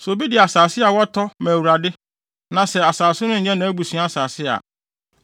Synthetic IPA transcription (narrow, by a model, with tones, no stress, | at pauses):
so˨bi˦dɪ˨a˨saː˨sɪ˦a˨wɔ˦tʰɔ˦mæ̃˨wu˨ɾa˨dɪ˦ | nã˨sɛ˨a˨saː˨sʊ˦nʊ̃˦ɲ̩˨ɲɛ̃˦nã˨˦æ˦bu˨sɥ̃a˦a˦˨saː˨sɪ˦a̰˨